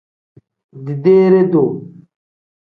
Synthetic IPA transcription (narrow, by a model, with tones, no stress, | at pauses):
d̪i˨d̪eː˦ɾe˦d̪o˨